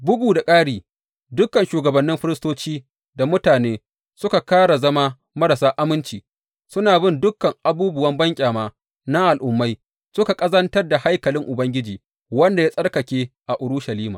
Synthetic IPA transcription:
bʊ˦buː˨da˨kʼaː˦ɽiː˨ | dʊ˦kːɐ˨nʃuː˨ɡɐ˨bɐ˨nːɪ˦mɸɪ˦ɾɪ˦stoː˦t͡ʃiː˦ | da˨mʊ˦taː˨neː˦ | sʊ˦ka˨kaː˦ɽa˨zɐ˦ma˦ | mɐ˦ɾa˨saː˦ʔa˦mɪ˦nt͡ʃiː˨ | sʊ˦naː˨bɪ˦˨ndʊ˦kːɐ˨ŋʔa˨buː˦bʊ˨wɐ˦mbɐ˦ŋkʲʼaː˨maː˦ | na˦ʔa˨lʔʊ˨mːa˦j | sʊ˦ka˨kʼɐ˦zɐ˦ntɐ˦rda˨ha˦jkɐ˨lɪ˦ŋʔʊ˨bɐ˦ŋɡʲɪ˦d͡ʒiː˨ | wɐ˦nda˨ja˦sʼɐ˦rkɐ˨kʲeː˦ʔa˨ʔʊ˨ɽʊ˦ʃɐ˨liː˦maː˨

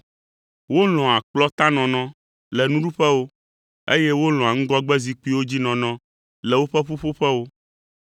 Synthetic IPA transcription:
wo˦lɔ̃˨a˨k͡plɔ˦t̪a˦nɔ̃˨nɔ̃˦ | lɛ˨nũ˦ɖu˦ɸɛ˦wo˦ | ḛ˦jɛ˦wo˦lɔ̃˨a˨ŋ̩̃˦ɡɔ˦ɡ͡bɛ˦zi˨k͡pi˦wo˦d͡ʑi˦nɔ̃˨nɔ̃˦ | lɛ˨wo˦ɸɛ˦ɸo˦ɸo˦ɸɛ˦wo˦

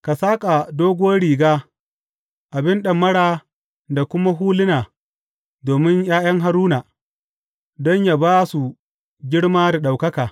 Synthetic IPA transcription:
ka˨saː˦kʼa˨doː˦ɡʷʊ˦wɐ˦ɽiː˨ɡaː˦ | ʔa˨bɪ˦nɗɐ˨mːɐ˦ɽaː˦ | da˨kʷʊ˦ma˦ɦuː˦lɪ˦naː˨ | doː˨mɪ˦ɲjaː˦j̰ɐ˦ŋɦa˦ɾuː˦naː˨ | dɔ˦ɲja˨baː˦su˨ | ɡʲɪ˦ɽmaː˦da˨ɗa˨wkɐ˦kaː˨

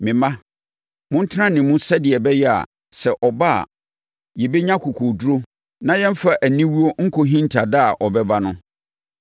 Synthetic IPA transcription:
mɪ̃˨mã˦ | mʊ̃˦n̩˦tʰɪ˦ã˦nɪ̃˨mũ˦sɛ˦dɪ˨ɛ˨bɛ˦jɛ˦a̰˨ | sɛ˨ʔɔ˨ba˦a̰˨ | jɛ˨be˦ɲã˦kʰu˨kʰo˨du˦ɾo˦ | nã˦jɛ̃˦m˦fa˨ʔæ˨nĩ˦wu˦o˦ŋ̩˦kʰo˦ɦĩ˦n̩˦tʰa˨da˦a˨ʔɔ˨bɛ˦ba˦nʊ̃˦

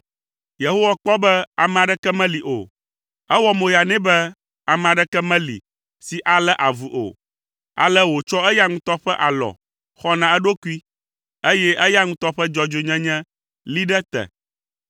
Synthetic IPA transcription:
je˨ɦo˦wa˦k͡pɔ˦bɛ˦a˨mɛ̃˨a˨ɖɛ˦kɛ˦mɛ̃˦li˨ʔo̰˨ | ɛ˦wɔ˦mõ˨ja˨nɛ̃˦bɛ˦ | a˨m̃˨a˨ɖɛ˦kɛ˦mɛ̃˦lḭ˨ | si˨ʔa˨lɛ˦ʔa˨vu˨ʔo̰˨ | a̰˨lɛ˦wo˨t͡ʃɔ˦ɛ˦ja˦ŋũ˦t̪ɔ˦ɸɛ˦ʔa˨lɔ̰˨ | xɔ˦nã˨ɛ˦ɖo˦ku˦i˦ | e˦jɛ˦ʔɛ˦ja˦ŋũ˦t̪ɔ˦ɸɛ˦d͡ʒɔ˦d͡ʒo˨ɲɛ̃˦ɲɛ̃˦ | li˦ɖɛ˦t̪ɛ̰˨

